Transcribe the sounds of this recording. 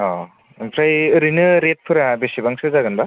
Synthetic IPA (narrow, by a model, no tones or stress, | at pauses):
ɔ | empʰɾajɯɾinɯɾet̚pʰɯɾabesibaŋsɯzaɡɯnba